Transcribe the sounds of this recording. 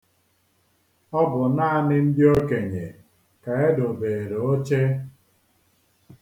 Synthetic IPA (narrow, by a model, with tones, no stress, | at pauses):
ɔ˦bʊ˨naː˦a˨˦nɪ˦n̩˦di˦o˦ke˨ɲe˨ | ka˨e˦dʊ˨beː˨ɾe˨o˦t͡ʃe˦